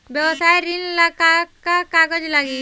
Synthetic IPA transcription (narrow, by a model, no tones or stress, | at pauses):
bjəwəsajɾinlakakːakaɡəd͡ʒlaɡi